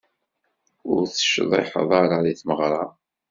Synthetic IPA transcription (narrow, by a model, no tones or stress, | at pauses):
ʊɾθə̥ʃðˤḭħə̰ðˤɑɾˤɑðiθməʁɾˤɑ